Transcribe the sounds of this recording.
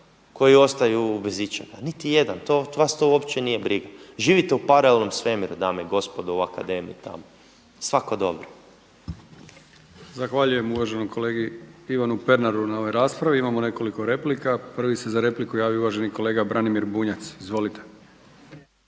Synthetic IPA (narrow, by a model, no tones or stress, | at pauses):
ko̞jio̞st̪ajubezit͡ʃaɡanit̪ijed̪ant̪oʋast̪oopt͡ʃenijebɾiɡaʒiːʋit̪eupaɾaelno̞msʋemiɾud̪aːmeiɡo̞spod̪uuakad̪e̞ːmḭḭt̪a̰mo | sʋakod̪o̞̰bɾo | zaxʋaʎuje̞muʋaʒenojkʰoleːɡiiʋanupe̞ɾnaɾunao̞ʋojɾaːspɾaʋiimamone̞ko̞liko̞ɾe̞plikapr̩ʋisezaɾe̞plikujaːʋiuʋaʒeniko̞leːɡabɾʔanimiɾbuɲat̪sizʋo̞lit̪e